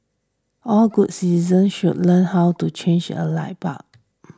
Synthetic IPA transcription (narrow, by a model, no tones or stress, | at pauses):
ʔɔlɡud̚sizə̃nʃud̚lə̃nhawtut͡ʃʰẽnd͡ʒə̰la̰ɪba̰k̚